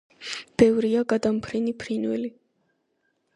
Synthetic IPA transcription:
b̥ɛvɾiaɡad̪ampʰɾinipʰɾinwɛ̰li

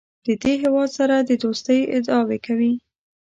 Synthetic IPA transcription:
d̪̥əd̪eɦewɑd̪saɾad̪əd̪ost̪əjɪ̰d̪ɑwekawi

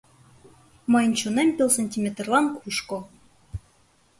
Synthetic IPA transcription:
mɤ̆jnt͡ɕunemʲpʲelˠsɤ̆nʲtʲimʲet̪rlˠɑnkʰuʃkŏ

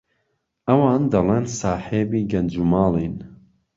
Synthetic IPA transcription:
ʔɐwɑːnd̪ɐleːnsaːħeːbiːɡɐnd͡ʒumɑːlin

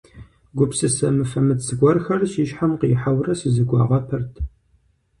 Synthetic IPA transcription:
ɡʷʊpsɨsɐmɨfɐmɨtsɨɡʷɔrxɐrɕiːʃħamqiːħawrɐsɨzɨɡʷɑ̰ːʁɐpʰɨrtʰ

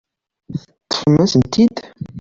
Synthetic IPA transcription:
ət̪ːə̥fmæsənt̪id̪

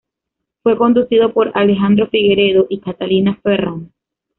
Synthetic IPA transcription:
fwe̞ko̞nd̪usiðo̞po̞ɾale̞xand̪ɾo̞fiɣe̞ɾe̞ðo̞ʔikat̪alinaferoŋ

